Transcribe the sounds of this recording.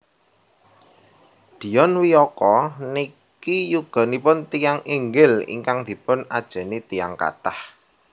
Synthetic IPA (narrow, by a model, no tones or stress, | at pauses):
d̪̥i̤jɔnwiɔkɔni | kijuɡ̥a̤nipʊnt̪ijaŋiŋɡɪlḭŋkaŋd̪̥i̤pʊna̰d̥ʒ̥a̤nit̪ijaŋka̰ʈah